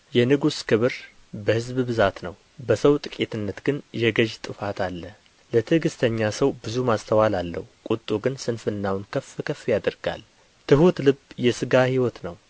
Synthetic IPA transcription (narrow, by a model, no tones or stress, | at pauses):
jɛnɨɡuskʰɨβɨɾ | bəhɨzbbɨzat̪nəw | bəsəwt̪ʼɨkʼet̪ʰɨnːət̪ɡ̥ɨnjɛɡəʒt̪ʼɨfat̪ʰalːə | lət̪ʰɨɡɨst̪ʰəɲːasəwbɨzumast̪ʰəwalalːə̰hukʼut̪ʼːuɡɨnsɨnfɨnːawnkʰəfɨkʰəfːjad̪əɾɡa̰l | t̪ʰɨɦut̪lɨbjɛsɨɡahiwɔt̪nəw